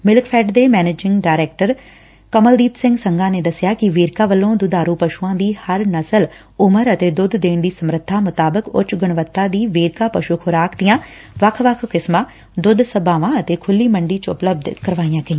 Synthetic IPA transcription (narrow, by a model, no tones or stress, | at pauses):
mɪlkpʰɛːɖd̪eːmɛːneːd͡ʒɪŋɡɖaːɪɾɛːk̚ʈəɾ | kəməld̪iːpsɪ̃ŋɡsəŋɡãːneːd̪əsɪjaːkɪʋeːɾkaːʋəlːõːd̪ʊd̪aːɾuːpəʃuːãːd̪iːhəɾnəsəl | ʊməɾət̪eːd̪ʊd̪d̪eːɳd̪iːsəmɾət̪ʰːaːmʊt̪aːbəkʊ̰t͡ʃɡəɳ̃ʋət̪ːãːd̪iːʋeːɾkaːpəʃuːkʰʊɾaːkd̪ijãː | ʋəkʰʋəkʰkɪsmãː | d̪ʊd̪səbaːʋãːət̪eːkʰʊlːiːməɳɖiːt͡ʃʊ̰pləb̚d̪kəɾʋaːijãːɡəĩː